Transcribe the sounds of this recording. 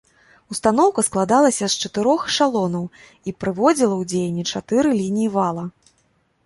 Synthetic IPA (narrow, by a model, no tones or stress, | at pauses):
ust̪anɔwkɐsklˠad̪alˠɐsʲɐst͡ʂɐt̪ɨɾɔxʂalˠɔnɐw | ipɾɨvɔd͡zʲilˠɐwd͡zʲejɐnʲːit͡ʂat̪ɨɾɨlʲinʲijivalˠɐ